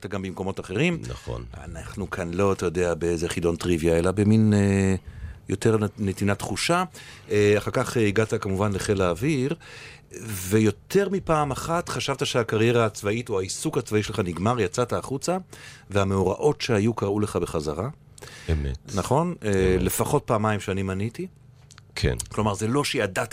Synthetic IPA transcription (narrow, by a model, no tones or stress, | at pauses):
t̪aɡambimko̞mo̞taχe̞ʁimna̰χo̰na̰naχnukʰanlo̞atajo̞d̪e̞abeezeχido̞ntʁivjae̞labemine | jo̞te̞ʁnetinatχuʃaeaχaʁkaχiɡatakamuvanleχelaːviʁ | ve̞jo̞te̞ʁmipaːmaχatχaʃavtaʃeakaʁje̞ʁaːt͡svaituaisukhat͡svaiʃelχaniɡmaʁjat͡sataːχut͡saveameoʁa̰ʔo̞tʃeajukaʁule̞χabe̞χazaʁa | emetnaχo̞nele̞faχo̞t̚paːmaimʃeanimaniti | kʰḛnklo̞maʁze̞lo̞ʃeadat